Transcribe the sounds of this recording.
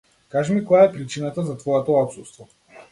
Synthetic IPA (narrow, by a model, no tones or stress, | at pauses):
kaʒɛmikɔjaɛpɾit͡ʃinat̪azat̪vɔɛt̪ɔɔt̪sust̪vɔ